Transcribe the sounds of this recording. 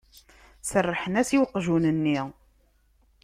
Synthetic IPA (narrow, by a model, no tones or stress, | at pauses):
sərˤːəħənæsiwqːʒunənːiʁ